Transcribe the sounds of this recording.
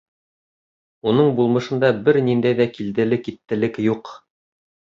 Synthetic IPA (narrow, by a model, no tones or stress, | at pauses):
unɤɴbulˠmɤ̆ʃɤ̆nd̪ɑbɘɾnind̪æjðækild̪ɘ̆lɘkit̪ːɘ̆lɘkjuq